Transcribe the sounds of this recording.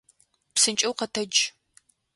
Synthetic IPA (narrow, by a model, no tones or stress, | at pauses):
psɨnt͡ʃʼɐwqɐtʰɐd͡ʒ